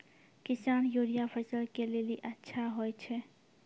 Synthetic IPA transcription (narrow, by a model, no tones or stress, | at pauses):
kisanjoɾijapʰəɪsəlkeleliʔətːʃʰaɦojt͡ʃʰɛ